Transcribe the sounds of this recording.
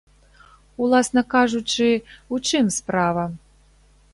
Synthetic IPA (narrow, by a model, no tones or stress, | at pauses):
ulˠasnɐkaʐut͡ʂɨut͡ʂɨmspɾavɐ